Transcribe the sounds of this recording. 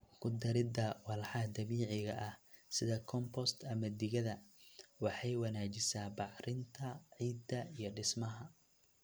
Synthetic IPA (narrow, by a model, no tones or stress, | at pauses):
kʰʊd̪ɐɾɪd̪ɐwɑlħɑd̪ɐmiːʕɪɣɐʔɐh | sɪðɐkʰɔmpʰɔst̪ʰɐmɐd̪ɪɣɐðɐwɑħɑjwɑnaːt͡ʃɪsaːbɑʕrɪnt̪ʰɐʕiːd̪ɐijɞɖɪsmɐɦɐ